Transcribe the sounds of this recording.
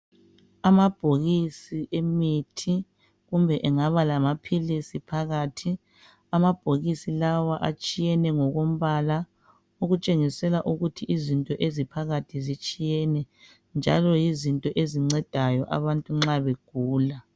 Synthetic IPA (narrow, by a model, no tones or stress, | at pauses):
amab̥ʱoɣisiʔemitʰi | ɣumbʱɛʔɛŋaβalamapʰilisipʰaɣatʰi | amab̥ʱoɣisilawaʔat͡ʃʼijɛnɛŋɔɣom̩βala | uɣut͡ʃʼeŋisɛlaʔuɣutʰiʔizintʼɔʔezipʰaɣatʰizit͡ʃʼijɛnɛ | nd͡ʒʱalɔjizintʼɔʔeziŋ͡ǀɛd̥ʱajɔʔa̰βantʼuŋ͡ǁaβeɡ̥ʱuːla